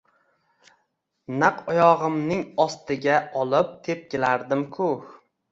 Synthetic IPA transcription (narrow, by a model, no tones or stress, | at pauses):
naqɒjɒʁɨmnɪŋɒst̪ɪɡʲaɒlˠɪp̚t̪ʰe̞p̚kʲelaɾd̪ɪmkʰʊ